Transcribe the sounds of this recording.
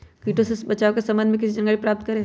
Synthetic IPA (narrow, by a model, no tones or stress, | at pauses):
kiːʈõsebɐt͡ʃaːokesɐ̃mbənd̪mẽk̬ɪsid͡ʒɐ̃ŋɡəɭipɾaːp̚t̪kɐɾẽ